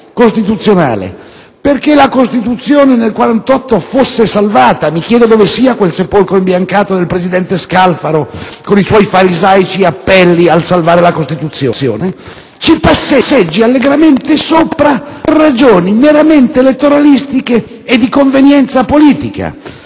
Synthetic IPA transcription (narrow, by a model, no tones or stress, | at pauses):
kost̪it̪ut̪sːjona̰ːlḛ | perkelakost̪it̪ut̪sːjoːnenelkwaɾant̪ɔt̪ːofosːesalvaːt̪amik̟jɛːd̪od̪oːvesiːakwelsepolkɾoimbjaŋkaːt̪od̪elpɾezid̪ɛnt̪eskalfaɾokoniswɔjfaɾizajt͡ʃiapːɛlːialsalvaːɾelakost̪it̪ut̪sːjo̰jo̰ːne | t͡ʃipasːesːed͡ʒːialːeɡɾament̪esoːpɾarːad͡ʒoːnineɾament̪elet̪ːoɾalist̪ikeː | d̪ːikoɱvenjɛnt̪sapoliːt̪ika̰